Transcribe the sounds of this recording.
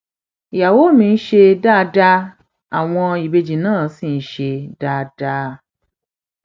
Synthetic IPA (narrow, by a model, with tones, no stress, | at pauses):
ja˨wo˦mĩ˨n̩˦ʃe˦da˦˨da˦ | a˨w̃ɔ̃˧i˨be˦d͡ʒi˨nãː˦˨sĩ˨n̩˨ʃe˧da˦da˦